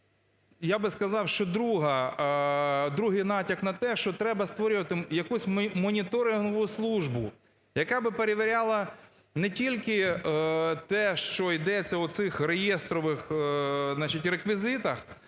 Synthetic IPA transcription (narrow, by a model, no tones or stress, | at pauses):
jabɪskɐzɑwʃt͡ʃɔd̪ɾuɦɐ | d̪ɾuɦɪjnɑtʲɐknɐt̪ɛʃt͡ʃɔt̪ɾɛbɐst̪ʋɔɾʲʊʋɐt̪ɪjɐkusʲmɔnʲit̪ɔɾɪɦɔʋʊslˠuʒbʊ | jɐkɑbɪpeɾeʋeɾʲalˠɐ | nɛtʲilʲkɪ | t̪ɛʃt͡ʃɔid̪ɛt͡sʲːɐʊt̪sɪxɾejest̪ɾɔʋɪxznɑt͡ʃitʲrekʋʲizɪt̪ɐx